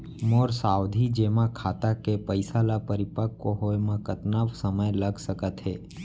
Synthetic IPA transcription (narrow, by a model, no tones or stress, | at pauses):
moːɾsaːwd̪ʱid͡ʒeːmãkʰaːt̪akepəɪsalapəɾɪpəkkoɦoemãkət̪naːbsəməjləɡsəkət̪ɦeː